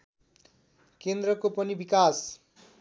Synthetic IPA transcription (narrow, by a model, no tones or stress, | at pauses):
kend̪rʌkopʌnibikas